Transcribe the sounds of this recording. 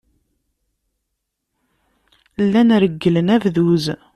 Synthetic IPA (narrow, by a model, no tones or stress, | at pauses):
lːænɾəɡːələnævðuz